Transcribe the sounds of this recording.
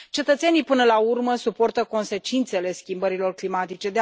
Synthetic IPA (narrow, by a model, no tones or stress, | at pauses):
t͡ʃe̞t̪ət̪senijpɨnəlaurməsupo̞rt̪əko̞nse̞t͡ʃint̪se̞le̞skʲimbəɾilo̞rklimat̪it͡ʃe̞d̪e